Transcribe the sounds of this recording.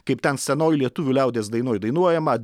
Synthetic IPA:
kɐɪpt̪ʲɛnsʲɛnoːjlʲiɛt̪ʊʋʲuːlʲɛˑʊd̪ʲeːsd̪ɐɪnoːjd̪ɐɪnuɔjɛmɐ

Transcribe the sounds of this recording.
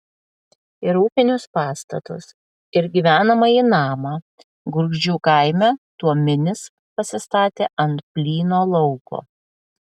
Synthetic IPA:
ɪɾuːpʲɪnʲʊspɑːst̪ɐ̰t̪ʊ̰s | ɪɾɡʲiʋʲæːnɐmɐiːnɑːmɑː | ɡʊɾɡʒd͡ʒʲuːkɐɪmʲɛt̪uɔmʲɪnʲɪs | pɐsʲɪst̪ɑːt̪ʲeːʔɐnt̪pʲlʲiːnoːlˠɔʊko̰ː

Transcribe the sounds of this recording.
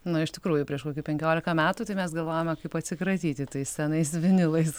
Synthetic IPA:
nʊɪʃt̪ʲɪkɾuːjʊpʲɾʲiɛʃkoːkʲupʲɛŋʲkʲoːlʲɪkɐmʲæːt̪uːt̪ɐɪmʲɛsɡɐlˠʋoːjomʲɛkɐɪpɐt̪ʲsʲɪkɾɐt̪ʲiːt̪ʲɪt̪ɐɪssʲɛnɐɪsʋʲɪnʲɪlˠɐɪs

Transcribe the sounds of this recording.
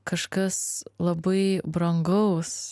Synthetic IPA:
kɐʃkɐslˠɐbɐɪbɾɐŋɡɐʊs

